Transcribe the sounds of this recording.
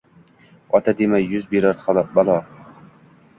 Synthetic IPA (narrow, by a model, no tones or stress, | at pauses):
ɒt̪ʰad̪emajːʊzbeɾaɾχɒlˠbalˠɒ